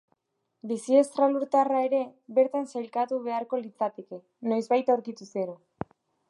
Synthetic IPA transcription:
bisie̞st̪ɾaluɾt̪arae̞ɾe̞βe̞ɾt̪ansajlkat̪uβ̞e̞aɾko̞lit͡sat̪eke | nojzβajt̪awɾkit̪useɾo

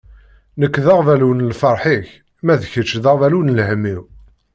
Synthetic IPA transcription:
nəkːðɑʁvælunəlfɑɾˤħiç | mæðçət͡ʃːðæʁvælunlhəmːiw

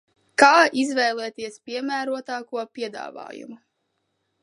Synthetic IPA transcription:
kaːizvɛjlˠɛːt̪iɛspiɛmæːɾuɔt̪aːkuɔpʲiɛd̪a̰ːva̰ːjṵmu

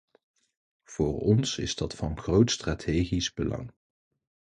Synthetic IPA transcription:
v̥ʊːrɔnsɪzdɑtfɑnχrowtstratʰeːχizbəlɑ̰ŋ

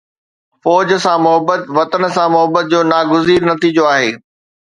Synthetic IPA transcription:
fɔːd͡ʑəsãmʊɦəbət̪ʋɐt̪ənsãmʊɦəbət̪̚d͡ʑoːnaːɡʊziːɾnɐt̪iːd͡ʑoaːɦeː

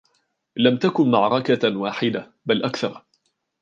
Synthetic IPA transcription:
lamt̪akʊnmaʕɾˤɑkawaːħɪd̪a | balʔakθɑɾˤ

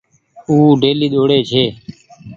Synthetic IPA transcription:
uːɖʱeːliːɗ̪oːɽeːt͡ʃʰeː

